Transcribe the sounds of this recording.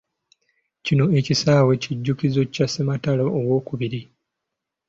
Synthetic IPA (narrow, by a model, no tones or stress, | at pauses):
cino̞e̞cisaːwe̞ciɟːukizocasemataloʔːwo̞ːkuβiɾi